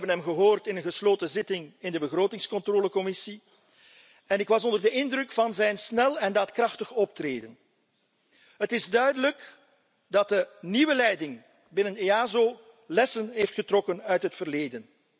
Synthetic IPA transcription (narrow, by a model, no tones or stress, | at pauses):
bənɦɛmɣəɦoːrtɪnənɣəsloːtəzɪtɪŋɪndəbəɣroːtɪŋskɔntroːləkɔmɪsi | ɛnɪkʋɑsɔndərdəɪndrɵkfɑnzɛjnsnɛlˠɛndɑtkrɑxtəxɔp̚treːdən | ɦətɪzdœɥdələk | dɑt̚dəniʋəlɛjdɪŋ | bɪnəneaːzoː | lɛsənɦeftχətrɔkənœɥtɦətfərleːdən